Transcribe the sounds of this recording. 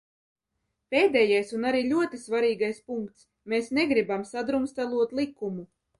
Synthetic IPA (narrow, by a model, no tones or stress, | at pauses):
peːd̪ɛːjajsunaɾiːʎʲuɔt̪isvaɾiːɡajspuŋkt̪s | meːsneɡɾibamsad̪ɾumst̪alˠuɔt̪lˠikːumu